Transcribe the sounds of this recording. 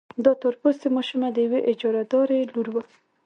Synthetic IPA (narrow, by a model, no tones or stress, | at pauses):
d̪ɑt̪əɾpost̪emɑʃʊmad̪əjaweʔɪd͡ʒɑɾad̪ɑɾeluɾwa